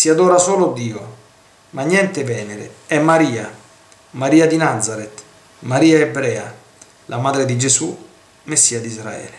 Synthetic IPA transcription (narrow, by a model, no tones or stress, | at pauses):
siad̪oːɾasoːlod̪iːo | maɲjɛnt̪evɛːneɾḛɛmːaɾiːa | maɾiːad̪inad̪zaɾet̪ | maɾiːaebɾɛːa̰ | lʔamaːd̪ɾed̪id͡ʒesu | mesːiːad̪izɾa̰ɛ̰ːle